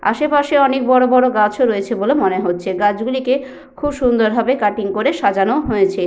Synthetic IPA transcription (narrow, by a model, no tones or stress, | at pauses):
a̰ʃepaʃeɔnek̚bɔɾobɔɾoɡat͡ɕʰoɾoet͡ɕʰebolemoneɦotːɕʰeɡad͡ʑɡulike | kʰubʃund̪oɾbʱabekaʈiŋkoɾeʃad͡ʑanoɦoet͡ɕʰe